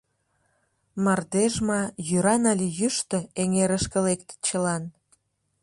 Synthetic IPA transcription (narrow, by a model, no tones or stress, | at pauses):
mɑrd̪eʒmɑjyɾɑnɑlʲijyʃt̪əeŋeɾəʃkə̆lekt̪t͡ɕəlɑn